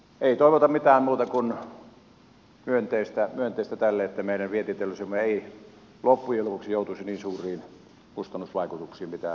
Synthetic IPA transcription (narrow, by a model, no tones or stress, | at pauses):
eˑit̪oˑeʋot̪ɑmmit̪æːmmuːt̪ɑkun | myønt̪eˑist̪æmyønt̪ˑeˑist̪æt̪ælːeet̪ːæmeˑilæʋʋiet̪iːt̪elːosemːoeˑi | lopːujelupuksijoˑut̪usiniːnsuːrˑiːn | kust̪ɑnːusʋɑˑikut̪uksiːmmit̪æ̰